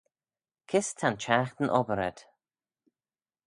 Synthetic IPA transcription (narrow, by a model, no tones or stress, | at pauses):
kʰɪst̪ʰant͡ʃʰaxt̪ənʔɔbəɾɛ̰d̪̥